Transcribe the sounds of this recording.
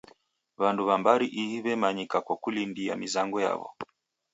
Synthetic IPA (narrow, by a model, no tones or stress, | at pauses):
βanduβambaɾiʔihiβɛmaɲikakwakulindia̰mizaŋɡɔja̰βɔ̰